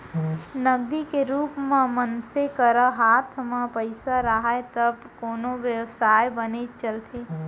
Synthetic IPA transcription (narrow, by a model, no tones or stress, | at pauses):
nəɡ̚d̪ikeɾuːpmẽmənsekəɾəɦaːt̪ʰmãpəɪsaɾaɦaet̪əbkoːnoʋjəwsaːjbənet͡ʃəlt̪ʰeː